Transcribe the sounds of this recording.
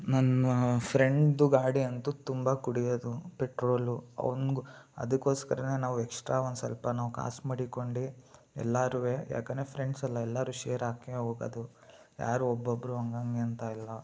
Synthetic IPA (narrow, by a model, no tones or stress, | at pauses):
nɐnːɐpʰɾe̞ɳɖɖuɡaːɽiɐnt̪ut̪umbɐkuɽijod̪upeʈɾoːluɐ̰ʋɐnɡuɐ̰d̪ukːo̞ːskɐɾɐne̞ːnaːʋuɛkʂʈɾaːond̪sɐ̰lpɐnaːʋuka̰ːsmɐɽikoɳɖi | ɛ̰lːaːɾuʋeːja̰ːkɐneːpʰɾeɳɖsɐlːɐɛlːaːɾuːʃeːɾaːkeoːɡɐ̰d̪u | ja̰ːɾuɔbːobːɐɾuɐŋɡɐŋɡeɐnt̪ailːɐ